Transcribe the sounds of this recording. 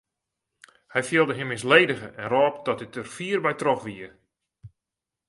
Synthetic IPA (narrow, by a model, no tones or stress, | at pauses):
hɛjfiəlˠdəɦɪmːɪs̬leːdəɣəʔɛnrɔːpdɔt̚dətərfiərbɛjtroxʋiə